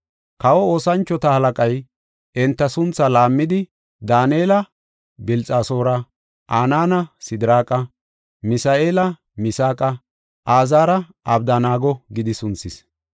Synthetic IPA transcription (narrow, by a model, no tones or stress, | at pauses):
kɐwɔo̞ːsɐnt͡ʃːɔt̪ɐhɐlɐkʼɐj | ɛnt̪ːɐsʊnt͡sːɐlaːmːɪd̪ɪ | d̪aːneːlɐ | bɪlt͡sʼaːso̞ːɾɐ | ʔaːnaːnɐsɪd̪ɾaːkʼɐ | mɪsaːʔeːlɐ | mɪsaːkʼɐ | ʔaːzaːɾɐ | ɐbd̪anaːɡɔɡɪd̪ɪsʊnt͡sːɪs